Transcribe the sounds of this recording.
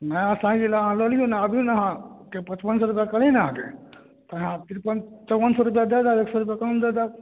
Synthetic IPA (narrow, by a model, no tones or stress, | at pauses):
nəjãsãɡilaɦãlolijũnaəbʱijũnaɦãkepə̃t͡ʃpənsɔɾupjakəlĩnaɦãkḛ | t̪əɦãt̪iɾpənt͡ʃəwʋənsɔɾup̬jad̪ɛd̪aeːksɔɾupjakənd̪ɛd̪a